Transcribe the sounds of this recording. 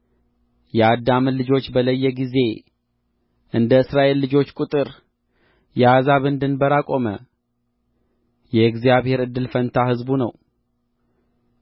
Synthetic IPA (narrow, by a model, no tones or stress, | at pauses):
jɛad̪ːamɨlɨd͡ʒo̞t͡ʃːbələjːɛɡize̞ | ʔɨnd̪əɨsɾaʔe̞lːɨd͡ʒo̞t͡ʃːkʼut̪ʼɨɾ | jɛazaβɨnd̪ɨnbəɾakʼo̞mə̰ | jɛkzijaβhe̞ɾɨd̪ːɨlfənt̪ʰahɨzbunəw